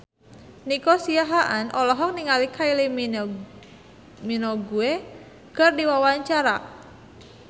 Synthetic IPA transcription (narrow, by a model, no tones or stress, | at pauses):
nikɔsiaɦaʔanʔɔlɔɦɔk̚niŋalikaili | minɔɡue | kərdiwawaɲt͡ʃaɾa̰